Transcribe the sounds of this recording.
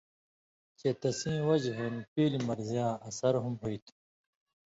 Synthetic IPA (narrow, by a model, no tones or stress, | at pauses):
t͡ɕet̪ɐsĩːwɐd͡ʑɦenpiːlimɐɾzijaːɐsɐɾɦumɦoit̪ʰu̥